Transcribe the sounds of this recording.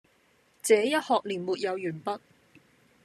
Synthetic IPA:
t͡sɛː˨˦jɐ˥t̚hɔː˨k̚liː˨˩nmuː˨t̚jɐ˨˧wjyː˨˩npɐ˥t̚

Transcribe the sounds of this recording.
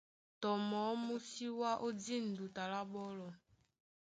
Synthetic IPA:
tɔ˨mɔ˨˦mu˦si˦wa˦ʔo˦di˦˨n˨du˨ta˨la˦ɓɔ˦lɔ˨

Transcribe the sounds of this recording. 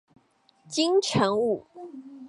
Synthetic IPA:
t͡ɕi˥ŋʈ͡ʂʰə˧˥ŋu˥˩

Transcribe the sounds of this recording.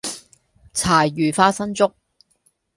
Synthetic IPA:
t͡sʰaː˨˩jːyː˨˩faː˧sɐ˥nt͡sʊ˥k̚

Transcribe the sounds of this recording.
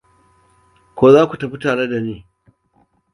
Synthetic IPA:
kʷoː˨zaː˦kʷu˨tɐ˨ɸi˦taː˨ɽe˦da˨niː˦˨

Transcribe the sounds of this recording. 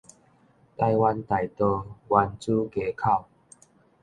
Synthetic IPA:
t̪a˧jwa˧nt̪a˨˩jt̪ɔ˧wa˧nt͡su˦ke˧kʰa˥˧˨w

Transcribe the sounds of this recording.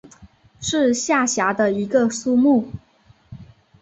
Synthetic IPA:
ʂɻ̩˥˧ɕja˥˩ɕja˧˥d̪ə˧i˧˥ɡə˧su˥˧mu˥˩

